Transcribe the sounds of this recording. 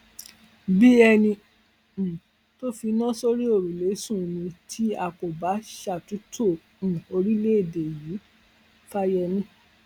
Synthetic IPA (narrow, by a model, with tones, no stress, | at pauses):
bi˦ɛ˧nĩ˧˨ | to˦fi˧nã˦so˧ɾi˦o˦˨ɾu˨le˨˦sũ˦˨nĩ˧tʰi˦a˧˨ko˨ba˨˦ʃa˦˨tu˨˦tʰõ˦˨ | o˧ɾi˦le˦e˦˨de˨ji˨˦ | fa˦jɛ˧nĩ˦